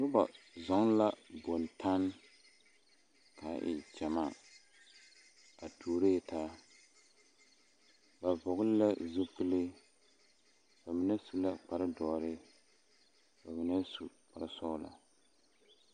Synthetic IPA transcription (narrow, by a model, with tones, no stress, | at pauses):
nʊ˦ba˨ | zɔ˨˦ŋla˦bo˨ntʰa˦n | ka˨˦˨ʔɪ̰˨t͡ʃɛ˨ma˦ | a˨tʰuː˨ɾe˦˨ta˦ | ba˨vʊ˨ɡʊ˦lla˦zu˦pɨ˦lɪ˦ | ba˨mi˨nɛ˦su˨la˦k͡pa˨ɾɪ˦dɔː˨ɾɪ˦ | ba˨mi˨nɛ˦su˨ | k͡pa˨ɾɪ˦sɔ˦la̰˨